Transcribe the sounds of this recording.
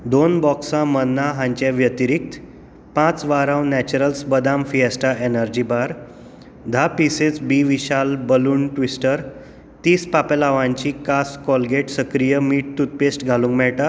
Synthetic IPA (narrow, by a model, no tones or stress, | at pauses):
d̪onbɔksãmənːaɦãɲt͡ɕɛ̃ʋjət̪iɾik̚t̪ | pãt͡sʋaɾãwnɛt͡ɕuɾəlsbəd̪amfiəsʈaenəɾd͡ʑibaɾ | d̪ʱapiset͡sbiʋiɕalbəluːɳʈʋisʈəɾ | t̪iːspapelaʋãɲt͡ɕikaskɔlɡeʈsəkɾijəmiːʈ̚t̪ut̪̚pesʈɡʱalũŋkmɛɭʈa